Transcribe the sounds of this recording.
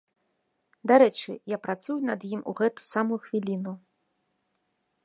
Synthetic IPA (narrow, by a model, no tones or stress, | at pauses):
d̪aɾɛt͡ʂɨ̰japɾat̪sujunɐd̪jimuɣɛt̪u̥samujuxvʲilʲinu